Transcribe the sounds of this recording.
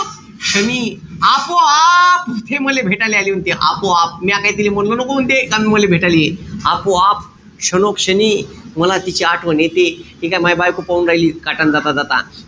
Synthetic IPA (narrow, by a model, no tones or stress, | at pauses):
ɕəni | apoapt̪ʰeməlebʱeʈalealiunt̪eʔa̰poap̚miakait̪ilem̤ənlənəkount̪ekanməlebʱeʈalieapoap̚ | ɕənokɕəniːməlat̪it͡ɕiaʈʰʋənet̪e | ikamajbajkopawnɾajliːkaʈand͡zat̪ad͡zat̪a̰